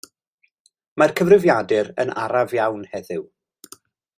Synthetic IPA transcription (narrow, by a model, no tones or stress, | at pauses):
markʰəvrɪvjadɨɾə̰na̰ɾavjawnhɛðɨw